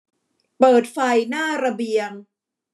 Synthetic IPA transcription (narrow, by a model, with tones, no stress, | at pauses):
pɤː˨˩t̪̚fa˧jnaː˥˩ɾa˧bi˧əŋ